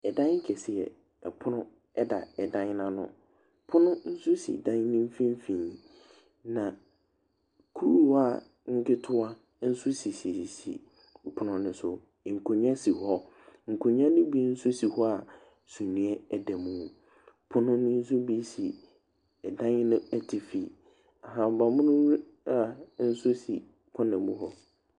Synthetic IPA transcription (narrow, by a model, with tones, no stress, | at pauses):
ɛ˨dã˦ŋ˦kʰɛ˨sɪ˨ɛ̰˨ | ɛ˨pʰʊ˦nʊ̃˦ | ɛ˦da˨ɛ˨dã˦ɲ˦nã˦nʊ̰̃˦ | pʰʊ̃˦nʊ̃˦n̩˦suʊ˦sḭ˨dã˦n˦nɪ̃˦m̩˦fĩ˦m˦fĩ˨ɲ˨ | nã˨ | kʰu˦˨˦a˦ | ŋ̩˦kɪ˦tʰʊ˦a˦ | n̩˦sʊ˦si˨si˨sḭ˨ | pʰʊ˦nʊ̃˨nʊ̃˨sʊ˨ | ŋ̩˨kʰo˨ɲã˦si˨hɔ˦ | ŋ̩˨kʰo˨ɲã˦nʊ̃˦bi˦n̩˦sʊ˦si˨hɔ˦a˨ | sũ˨nũ˨ɛ˦ɛ˨dɛ˨mũ˦˨ | pʰʊ˦nʊ̃˦nʊ̃˦n̩˦s̬ʊ˦bi˦si˨ | ɛ˨dã˦ɲɪ˦nʊ̃˦ɛ˦tʰɪ˨fi˨ | a˨ɦã˨m˨ba˨mʊ̃˦nʊ̃˦u˦ | a˦˨n̩˦sʊ˦sḭ˨ | kʰɔ̃˦nã˨mũ˦ɦɔ˦